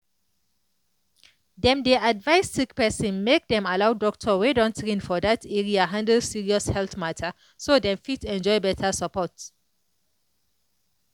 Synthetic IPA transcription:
dɛ̃mdeʔadvajstikpɛsĩnmek̚dɛ̃malawdɔk̚tʰɔwedɔ̃ntɹĩnfɔdatʰɛɹiaɦãndəlsiɹiɔshɛlθmatʰə | sodɛ̃mfitɛ̃nd͡ʒɔjbɛtʰəsapɔt

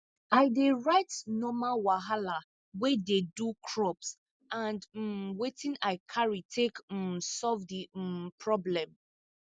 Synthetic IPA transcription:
aɪdeɹaɪtnɔmawaɦala | wɛdedukʰɹɔps | ãnd̩wetĩnaɪkʰaɹitʰekm̩sɔlvdipʰɹɔblɛ̃m

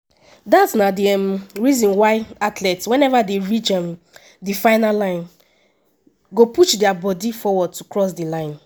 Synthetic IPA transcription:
datsnadiɛmɹizɔ̃nwaɪatlɛtswɛ̃nɛvadeɹit͡ʃɛ̃m | difaɪnalãɪ̃n | ɡopuʃdɛabɔdifɔwɔd̚tukɹɔs̬dilãɪ̃n

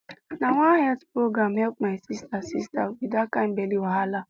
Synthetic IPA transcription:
nawahɛtpɹoɡɾamhɛlp̚maɪsistasistawidakãmbeliwaɦala

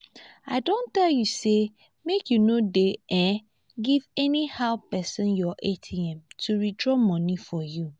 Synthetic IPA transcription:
aɪdõntɛljuse | mekjunodeɛ̃ | ɡivɛnihaʊpɛsɔ̃njɔʔetʰiɛ̃mtʰuɹitɹɔmɔ̃nĩfɔju

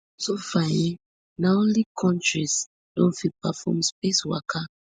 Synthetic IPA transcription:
sofaɛ̃ | naõnlikʰɔ̃ntɹis | dõ̰nfipafɔ̰mspeswakʰa

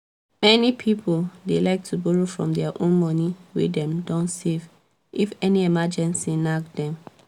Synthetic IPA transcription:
mɛnipʰipʰoldelaɪk̚tʰubuɹofɹɔ̰̃mdɛaʔõnmɔniwḛdɛ̃mdɔ̃ntsev | ifɛniemad͡ʒɛ̃nsinakdɛ̃m

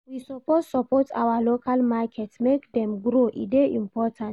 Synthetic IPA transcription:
wisɔpossɔpɔta̰walokʰalmakʰɛtsmekdɛ̃mɡɾoʔḭdeʔĩmpɔtʰãnt

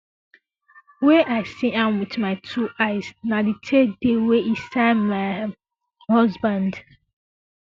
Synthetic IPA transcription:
wɛʔaɪsĩʔãmwitmaɪtʰuʔaɪsnaditʰedeweʔisaɪdmaɪ | hɔzbãnd

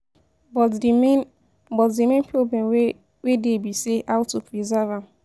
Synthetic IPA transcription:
bɔ | bɔtdimẽnpiobẽn | wedebiseʔawtopɾizavam

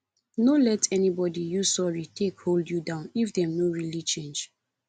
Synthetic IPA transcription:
nolɛtʰɛnibɔdijusɔɹitʰekholdjudãʊ̃nifdɛ̃mnoɹilit͡ʃẽnd͡ʒ

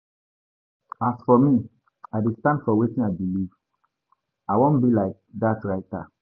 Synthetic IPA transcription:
asfɔmi | aɪdestãndfɔwetĩnaɪbiliv | aɪwõnbilaɪk̚datɹaɪta̰

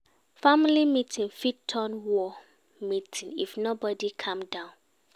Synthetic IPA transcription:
familimitʰĩnfittʰːɔnwɔ | mitʰĩnḭfnobɔdikʰãmdãʊ̃n

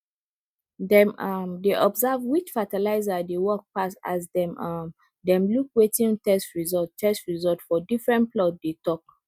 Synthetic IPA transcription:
dɛ̃mamdeʔɔbzavwit͡ʃfatalaɪzadewɔk̚pasa̰sdɛ̃mam | dɛ̃mlukwetĩntɛstɹizɔtːɛstɹizɔtfɔdifɹɛ̃nplɔtdetɔk̚

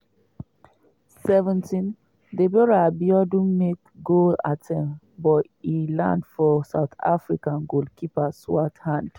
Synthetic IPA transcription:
sɛvɛ̃ntĩn | debɔɹabiɔdũnmek | ɡola̰tʰɛ̃m | bɔt | ilã̰ndfɔsa̰ʊt̪a̰fɹikãnɡolkʰipaswathãnd̥

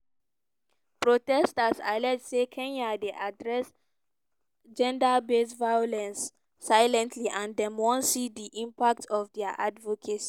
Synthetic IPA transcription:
pɹotɛstasa̰lɛdsekʰɛ̃ɲadeʔadɹɛs | d͡ʒɛ̃ndabesvajolɛ̃nsː | ajlɛ̃ntʰliʔãndɛ̃mwɔ̃nsidiʔĩmpak̚tʰɔfdɛaʔadvokʰet

